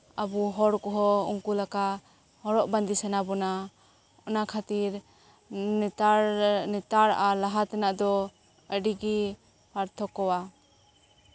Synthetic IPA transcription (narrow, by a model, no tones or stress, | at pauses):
abuɦɔɾkɔɦɔṵŋkulaka | hɔɾɔʔband̪isanabɔna | ɔnakʰat̪iɾ | anɛt̪aɾalaɦat̪ɛnaʔd̪ɔ | əɖiɡi | haɾt̪ʰɔkɔwa